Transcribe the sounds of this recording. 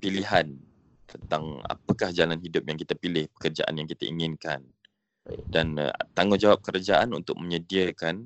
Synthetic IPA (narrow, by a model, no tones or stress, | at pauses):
piliɦan | t̪ənt̪aŋa̰pəkahd͡ʒalanɦidʊp̚jaŋkit̪apilɪhpə̥kərd͡ʒa̰ʔa̰njaŋkit̪a̰ʔḭŋɪnkan | dan̰t̪aŋʊnd͡ʒawap̚kəɾad͡ʒaʔanunt̪ʊk̚məɲədiəkan